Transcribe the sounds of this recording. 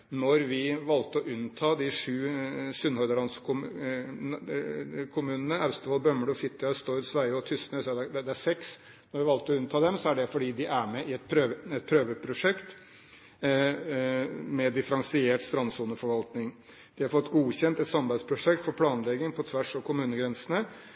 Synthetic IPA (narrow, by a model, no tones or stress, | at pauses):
nɔɾʋɪʋɑlt̪əɔʔʉnt̪ʰɑːd̪ɪʂʉːsʉnhɔd̪əlɑnskʰʊm | kʰʊmʉːnənəæʉst̪əʋɑːlbœmːəɖɔfɪt̪ːəəst̪oːɾʉt̪sʋæɪɔt̪ʰʏsnœsɑd̪ɛd̪ɛæʂɛks | nɔɾʋɪʋɑlt̪əɔʉnt̪ʰɑːd̪ɛmsɔæɖɛfɔɖiːd̪ɪʔæɾmɛʔɪɛt̪̚pʰɾøːʋəɛt̪̚pʰɾøːʋəpʰɾʊʂɛkt̪ | mɛd̪ɪfəɾɑnsɪeːʈst̪ɾɑnsuːnəfɔɾʋɑlt̪nɪŋ | d̪̥ɪhɑɾfɔt̪ːɡuːçɛnt̪ɛt̪sɑmbæɪspʰɾʊʂɛk̚t̪fɔɾpʰlɑːnlɛɡɪŋpʰɔt̪ʰʋæʂɔkʰʊmʉːnəɡɾɛnsənə